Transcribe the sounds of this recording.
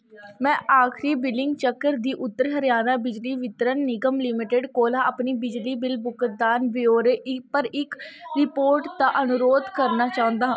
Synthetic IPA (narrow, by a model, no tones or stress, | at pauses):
mɛ̃ːʔaːkʰɾiːbɪlɪŋɡt͡ʃəkːəɾd̪iːʔʊt̪ːəɾɦəɾjaːnaːbɪd͡ʒliːʋɪt̪ɾənːɪɡəmlɪmɪʈeɖkoːlaːʔəpniːbɪd͡ʒliːbɪlbʊkəd̪aːnʋeoːɾeːʔɪpəɾɪkɾɪpoːɾʈt̪aːʔənʊɾoːd̪kəɾnaːt͡ʃaːɦʊ̃nd̪aːɦãː